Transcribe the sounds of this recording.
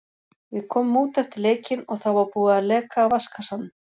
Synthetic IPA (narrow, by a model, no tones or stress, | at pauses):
vɪðkʰɔːmɪmuːt̪ɛft̪ɪɾleːjcɪnɔɣθawvaɾpuːðaalɛːkaːwvaskasanːɪ